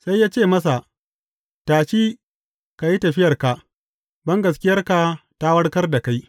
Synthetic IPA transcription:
sa˦jːaː˦t͡ʃeː˦˨mɐ˦s̬a˨ | taː˨t͡ʃiː˦ | ka˨ji˦tɐ˨ɸɪ˦jɐ˨rka˨ | bɐ˦ŋɡɐ˨s̬kʲɪ˦jɐ˦rka˨ta˦wɐ˦ɽkɐ˦rda˨ka˦j

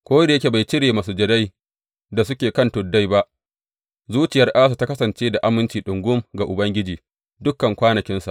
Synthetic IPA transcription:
kʷoː˦da˨je˦kʲe˨ba˨jt͡ʃɪ˦ɽeː˨ma˨s̬u˨d͡ʒɐ˨da˦j | da˨sʊ˦kʲeː˨kɐ˦˨ntʊ˨dːa˦jba˦ʔ | zuː˦t͡ʃɪ˨jɐ˦rʔaː˦s̬a˨ta˦kɐ˦sɐ˨nt͡ʃeː˦da˨ʔa˦mɪ˦nt͡ʃiː˨ɗʊ˨ŋɡʷʊ˦mɡa˨ʔʊ˨bɐ˦ŋɡʲɪ˦d͡ʒiː˨ | dʊ˦kːɐ˨ŋkʷaː˦nɐ˨kʲɪ˦nsa̰˨ʔ

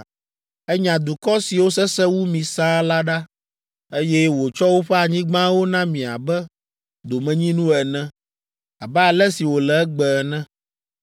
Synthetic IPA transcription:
ɛ˦ɲã˨d̪u˨kɔ˦si˨wo˦sɛ˦sɛ˦wu˦mĩ˨sã˦la˦ɖa˦ | e˦jɛ˦wo˨t͡ʃɔ˦wo˦ɸɛ˦a˨ɲĩ˦ɡ͡bã˦wo˦nã˦mĩ˨a̰˨bɛ˦ | d̪o˨mɛ̃˨ɲĩ˦nũ˦ɛ˨nɛ̃˦ | a˨bɛ˦a˨lɛ˦si˨wo˨lɛ˨ɛ˦ɡ͡bɛ˨nɛ̃˦

